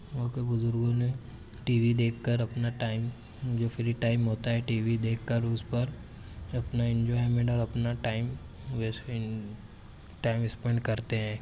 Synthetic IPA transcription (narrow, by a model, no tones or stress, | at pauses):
oːkebʊzʊɾɡõmẽ | ʈiːʋid̪eːkːəɾɐpnaʈaːɪm | d͡ʒoːfʰɪɾiʈaːɪmɦoːt̪aɦɛʈiːʋid̪eːkːəɾʊspɐɾ | ɐpnaɪ̃nd͡ʒɔːɪmẽɳʈɔːɾɐpnaʈaːɪm | ʋes | ʈaːɪmɪspẽɳɖkɐɾt̪eɦɛ̃ː